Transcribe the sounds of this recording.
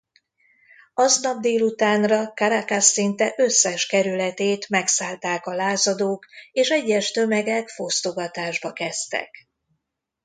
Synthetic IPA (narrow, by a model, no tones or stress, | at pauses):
ɒznɒb̚d̪eːlut̪aːnrɒkaɾakasːint̪ɛʔø̞sːɛʃkɛɾylɛt̪eːt̪mɛksaːlt̪aːkɒlaːzɒd̪oːkeːʃɛɟːɛʃt̪ø̞mɛɡɛkfo̞st̪o̞ɡɒt̪aːʒbɒkɛst̪ɛ̰k